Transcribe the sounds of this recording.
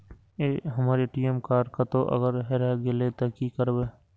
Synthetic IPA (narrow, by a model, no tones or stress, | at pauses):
eːɦəmaːɾeʈiːəmkaːɖkət̪oʔə̰ɡəɾɦɛɾaɡɪlet̪ɐkikəɾbeː